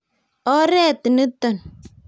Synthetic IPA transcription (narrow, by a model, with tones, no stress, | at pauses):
ɔ˦ɾɛ˦˨t̪i˨nə˦t̪ɔ˨n